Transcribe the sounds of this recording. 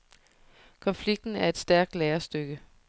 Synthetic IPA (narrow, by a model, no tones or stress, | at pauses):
kʰɒ̽nfliɡ̥̚d̥n̩æɐe̝d̥sd̥æɐɡ̥̚d̥lɛːɐsd̥øɡ̥ə